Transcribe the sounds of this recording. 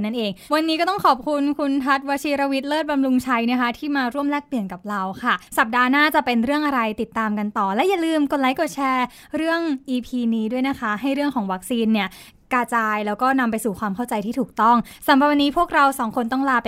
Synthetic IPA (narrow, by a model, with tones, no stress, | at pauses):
na˥nʔeː˧ŋwa˧nːiː˦˥kɔː˥˩t̪ɔ˥˩ŋkʰɔː˨˩p̚kʰu˧nkʰu˧nt̪ʰa˦˥t̪̚waː˧˥t͡ɕʰiː˧ɾa˧wi˦˥t̪̚lɤː˥˩t̪̚ba˧mlu˧ŋt͡ɕʰa˧jna˦˥kʰa˦˥t̪ʰiː˥˩maː˧ɾu˥˩əmlɛː˥˩k̚pli˨˩ənka˨˩p̚ɾa˧wkʰa˥˩sa˨˩p̚daː˧naː˥˩t͡ɕa˨˩pe˧nɾɯ˥˩əŋʔa˧ɾa˧jt̪i˨˩t̪ːaː˧mka˧nt̪ɔː˨˩lɛː˦˥ja˨˩lɯː˧mko˧t̚la˦˥jkɔ˨˩t͡ɕʰɛː˧ | ɾɯ˥˩əŋʔiː˧pʰiː˧niː˦˥du˥˩əjna˦˥kʰa˦˥ɦa˥˩jɾɯ˥˩əŋkʰɔː˩˦ŋwa˦˥k̚siː˧nːi˥˩ | kaː˧t͡ɕaː˧jlɛː˦˥wkɔː˥˩na˧mpa˧jsuː˨˩kʰwaː˧mkʰa˥˩wt͡ɕa˧jt̪ʰiː˥t̪ʰuː˨˩k̚t̪ɔ˥˩ŋsa˩˦mɾa˨˩wa˧niː˦˥pʰu˥˩ək̚ɾa˧wsɔː˩˦ŋkʰo˧nt̪ɔ˥˩ŋlaː˧p